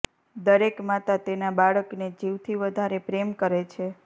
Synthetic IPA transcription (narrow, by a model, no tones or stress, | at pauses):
d̪əɾekmat̪at̪enabaɭəkned͡ʒiʋt̪ʰiʋəd̪ʱaɾepɾemkəɾet͡ʃʰe